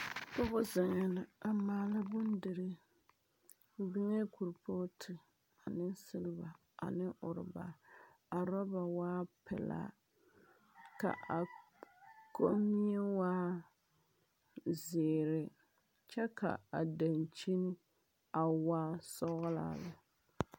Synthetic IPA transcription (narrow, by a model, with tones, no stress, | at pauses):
tʊ˦ɣʊ˦zɪ˨ŋɛ˨na˨a˨maː˦la˦bʊ˦ndɪ˨ɾɨ˦ | bɪ˦ŋɛ˦ku˨ɾpʰo˦tʰɪ˨ | a˨nɪ˦sɪ˦lɪ˦ba˨ | a̰˨nɪ˦ʔʊ˨ɾɪ̰˨ba̰˨ | a˨ɾɔ˦ba˨waː˦pɛ̰˨la̰˦˨ | ka̰˨ʔa˨ | kʰo̰˦mi˦ɛ˦waː˦ | zeː˨ɾɪ˨ | t͡ʃɛ˦ka̰˨a˨da˨nt͡ʃi˦nɪ˦ | a˨waː˦sɔ˦ɣʊ˦la̰˦la˨